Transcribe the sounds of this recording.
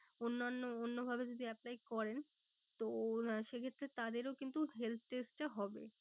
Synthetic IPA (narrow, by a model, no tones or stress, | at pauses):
onːanːoonːobʱabed͡ʑod̪ʱiɛplajkɔɾen | t̪oʃekʰet̪ːɾet̪ad̪eɾokint̪uɦelt̪̚ʰʈesʈʈaɦɔbe